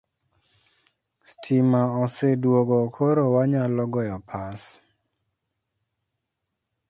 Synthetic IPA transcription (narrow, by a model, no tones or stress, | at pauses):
stʰimaɔsedwoɡɔkʰoɾowaɲalɔɡɔjɔpʰas